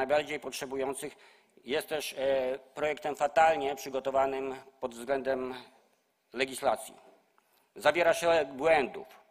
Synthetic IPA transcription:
ajbaɾd͡ʑejpɔtʂɛbujɔnt̪sɘx | jɛst̪ːɛʂpɾɔjɛkt̪ɛmfat̪alɲɛpʂɘɡɔt̪ɔvanɘmpɔd̪vzɡlɛnd̪ɛm | lɛɡʲislat̪sʲjḭ | zavʲjɛɾaɕɛbwɛnd̪ṵf

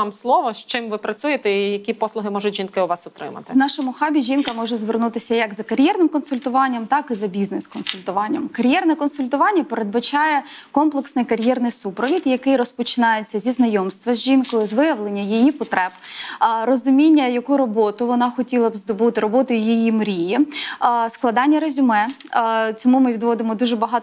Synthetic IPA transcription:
ɑmslˠɔʋɔʃt͡ʃɪmʋɪpɾɐt͡sʲujet̪ɛijɐkʲipɔslˠʊɦɪmɔʒʊtʲʒinkɪʊʋɑsʊt̪ɾɪ̰mɐ̰t̪ɪwnɑʃɔmʊxɑbʲiʒʲinkɐmɔʒɛzʋernut̪ɪsʲɐjɐkzɐkɐɾʲjɛrnɪmkɔnsʊlʲt̪ʊʋɑnʲːɐmt̪ɑkɪzɐbʲiznɛskɔnsʊlʲt̪ʊʋɑnʲːɐmkɐɾʲjɛrnɛkɔnsʊlʲt̪ʊʋɑnʲːɐpeɾed̪̚bɐt͡ʃɑjɛkɔmplˠeksnɪjkɐɾʲjɛrnɪjsupɾɔʋʲid̪jɐkɪjɾɔspɔt͡ʃɪ̥nɑjet͡sʲːɐzʲiznɐjɔmst̪ʋɐzʲʒinkɔjʊzʋɪjɐʋlˠenʲːɐjijipɔt̪ɾɛbɾɔzʊmʲinʲːɐjɐkuɾɔbɔt̪ʊʋɔnɑxɔtʲilˠɐbzd̪ɔbut̪ɪɾɔbɔt̪ɔjʊjijimɾʲiji | sklˠɐd̪ɑnʲːɐɾɐzʲʊmɛ | t͡sʲɔmumɪʋʲid̪ʋɔd̪ɪmɔd̪uʒɛbɐɦɑt̪

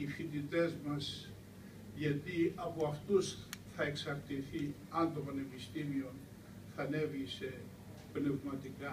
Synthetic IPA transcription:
ifind̪it̪ezmas | jat̪iapuaft̪usθaeksaɾt̪iθi | and̪opanevist̪imion | θanevise | pnevmat̪ika

